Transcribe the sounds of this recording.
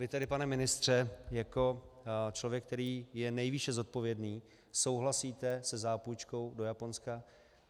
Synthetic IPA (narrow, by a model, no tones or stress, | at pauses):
vɪt̪ɛdɪpanɛmɪnɪst̪r̝̥ɛjako̞t͡ʃlo̞vjɛk̚t̪ɛɾiːjɛnɛjviʃɛzo̞t̪̚po̞vjɛdniː | so̞wɦlasiːt̪ɛsɛzaːpujt͡ʃko̞wdo̞japo̞nska